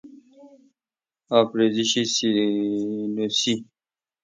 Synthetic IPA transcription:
apɾeziɕisi | nosi

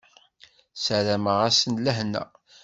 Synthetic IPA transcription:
səɾæməʁæsənləhnːæ̰

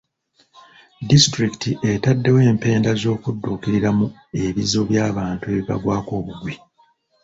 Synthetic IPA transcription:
distɾiki̥tiʔetadːe̞we̞ːmpe̞ːndazo̞ːkudːuːkiɾiɾamu | e̞βizo̞βjaːβaːntue̞βiβa̰ɡwaːko̞ːβuɡwi

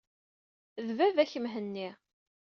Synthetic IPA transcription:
ðvævæçəmɦənːi

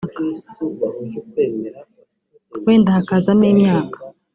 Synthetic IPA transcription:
a | kː | we̞ːndahakazameːmɲaːkḁ

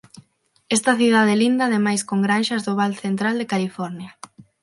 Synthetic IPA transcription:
ɛst̪ɐθið̞að̞elind̪aːðemajskoŋɡɾanʃazðoβ̞alθent̪ɾald̪ekalifɔɾnja

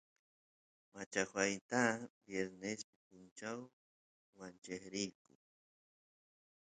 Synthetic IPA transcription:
mat͡ʃakwajt̪abjeɾnespɪpʊnt͡ʃaw | want͡ʃeχɾɪjkʊ̰ŋ

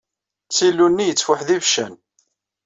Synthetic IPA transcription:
t͡sːilːunːijət͡sːfʊħðivʃæn

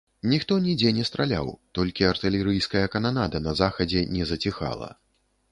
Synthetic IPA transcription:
nʲixt̪ɔnʲid͡zʲɛnʲɛst̪ɾalʲa̰wt̪ɔlʲkʲiɐrt̪ɨlʲɛɾɨjskɐjɐkɐnanad̪ɐnɐzaxɐd͡zʲɛnʲɛzɐt͡sʲixa̰lˠɐ̰

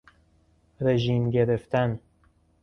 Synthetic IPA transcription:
ɾe̞ʒiːmɟe̞ɾe̞ft̪æn

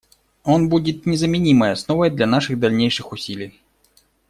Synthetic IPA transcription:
onbudʲɪt̪nʲɪzəmʲɪnʲiməjɐsnovəjəd̪lʲɐn̪aʂɨɣd̪ɐlʲnʲejʂɨxʊsʲilʲɪj

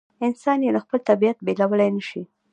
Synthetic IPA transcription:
ɪnsɑnjelaxpəlt̪abiat̪̚belawəlajnəʃi

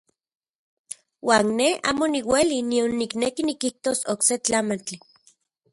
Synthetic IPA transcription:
waːnːea̰ːmoniwelinionːiknekinikiht̪osokset͡ɬamant͡ɬi

